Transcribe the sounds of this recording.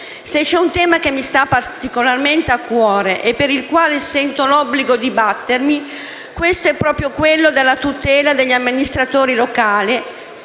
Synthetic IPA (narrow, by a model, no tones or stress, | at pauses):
set͡ʃːɛunt̪ɛːmak̟emːist̪apart̪ikolarment̪eakːwɔːɾeʔepːeɾilkwaːlesɛnt̪olɔbːliɡod̪ibat̪ːermi | kwest̪oɛpːɾɔːpɾjokwelːod̪elːat̪ut̪ɛːlad̪eʎːamːinist̪ɾat̪oːɾilokaːli